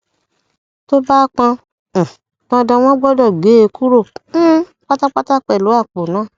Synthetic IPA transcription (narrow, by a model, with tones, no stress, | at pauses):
to˦ba˦k͡pã˧˨ | nã˧dã˧w̃ɔ̃˦ɡ͡bɔ˦dɔ˦˨ɡ͡be˨˦e˧˦ku˦ɾo˦˨˦ | k͡pa˦ta˦k͡pa˦ta˦k͡pɛ˨lo˨˦a˦˨k͡po˨nãː˨˦˨